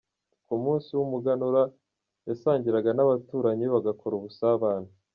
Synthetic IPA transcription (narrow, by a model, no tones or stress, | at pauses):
kumuːnsiwumuɡanuɾa | jasaːɲɟiɾaɡanaβatuːɾaɲiβaɡakʰo̞ɾuβusaβaːn̥hu